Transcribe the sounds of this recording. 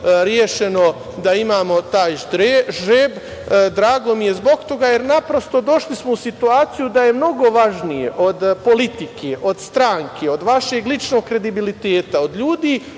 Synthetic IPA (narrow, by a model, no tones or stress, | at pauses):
ɾjeʃe̞no̞ | d̪aimaːmo̞t̪aːjʒeːb | d̪ɾaːɡo̞mije̞zbo̞ɡt̪o̞ɡaːje̞ɾnapɾo̞st̪o̞d̪o̞ʃlismo̞usit̪uaːt̪sijud̪aje̞mno̞ɡo̞ʋaʒnijeʔo̞d̪po̞lit̪ikʰeʔo̞d̪st̪ɾaːŋkʰeo̞d̪ʋaʃeɡlit͡ʃno̞ːɡkːɾe̞d̪ibilit̪eːt̪aod̪ʎuːd̪iː